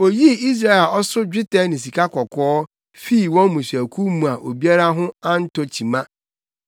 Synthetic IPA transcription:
o˨ji˦i˦s̬ɾa˦ɛ˨ɔ˦sʊ˦d͡ʑᶣɪ˦tʰɛ˦nɪ̃˨s̬i˨kʰa˦kʰɔ˨kʰɔː˦ | fi˦˨wɔ̃˦nmũ˨sɥæ˨kʰu˦mũ˨a˨ʔo˨bi˦a˦ɾa˦ɦʊ̃˦a˦n̩˦tʰɔ˨t͡ɕʰĩ˨mã˦

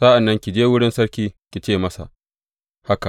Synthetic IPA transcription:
sɐ˦ʔa˨nːɐ˦ŋkʲi˨d͡ʒeː˦wʊ˦ɽɪ˦nsɐ˦ɽkʲiː˦kʲi˨t͡ʃeː˦˨mɐ˦sa̰˨ʔ | ha˦ka˨ʔ

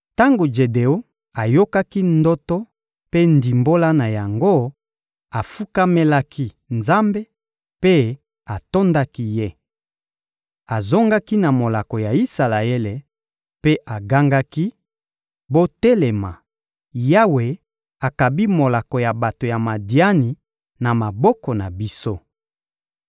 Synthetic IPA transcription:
ta˦ŋɡo˨d͡ʒe˨de˨o˦ | a˨jo˦ka˦ki˦ndɔ˦tɔ˦ | pe˦ndi˨mbo˦la˦na˨ja˨ŋɡo˦ | a˨fu˦ka˦me˦la˦kʰi˦ | nza˦mbe˦ | pe˦ | a˨to˦nda˦ki˦je˦ | a˨zo˦ŋɡa˦ki˦na˨mo˨la˨kɔ˨ja˨i˦sa˨la˨e˦le˨ | pe˦ʔa˨ɡa˦ŋɡa˦ki˦ | bo˦te˦le˨ma̰˨ | ja˦we˨ | a˨ka˨bi˦mo˨la˨kɔ˨ja˨ba˨to˨ja˨ma˨di˨a˦ni˨ | na˨ma˨bɔ˦kɔ˨na˨bi˦so˦

